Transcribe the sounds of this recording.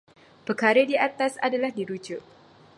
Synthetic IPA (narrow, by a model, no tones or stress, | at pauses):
pəkaɾədiat̪asa̰dalahdiɾud͡ʒʊʔ̚